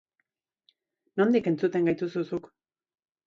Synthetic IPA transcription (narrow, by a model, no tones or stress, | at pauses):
no̞nd̪ike̞nt͡sut̪e̞ŋɡajt̪ususuk